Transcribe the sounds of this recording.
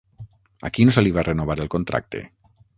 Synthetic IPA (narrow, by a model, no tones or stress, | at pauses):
a̰kinoseliβarenoβaɾelˠkont̪ɾa̰k̚t̪ḛ